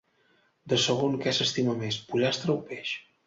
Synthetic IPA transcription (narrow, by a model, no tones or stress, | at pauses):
d̪əsəɣ̞oŋkɛsəst̪iməmespuʎast̪ɾəwpeʃ